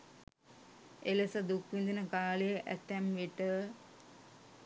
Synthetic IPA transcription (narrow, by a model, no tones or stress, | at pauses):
elesəd̪ukʋind̪inəkaːləjəʔæ̰t̪ːɛmʋiʈə